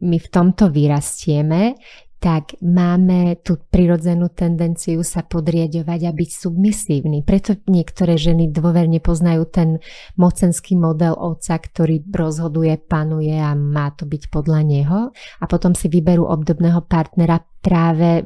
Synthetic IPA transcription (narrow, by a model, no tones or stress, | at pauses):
mift̪ɔmt̪ɔʋiɾascɪɛmɛt̪aɡmaːmɛt̪uːpɾiɾɔd͡zɛnuːt̪ɛnd̪ɛnt͡siusapɔd̪ɾɪaɟɔʋaɟabicsubmisiːʊnipɾɛt̪ɔɲɪɛkt̪ɔɾɛːʒɛnid̪ʋʊɔʋɛɾɲɛpɔznajuːt̪ɛnmɔt͡sɛnskiːmɔd̪ɛlʔɔt̪t͡sakt̪ɔɾiːɾɔzɦɔd̪ujɛpanujɛamaːt̪ɔbicpɔd̪ʎaɲɛɦɔapɔt̪ɔmsiʋibɛɾṵːʔɔbd̪ɔbnɛːɦɔpaɾt̪nɛɾapɾaːʋɛ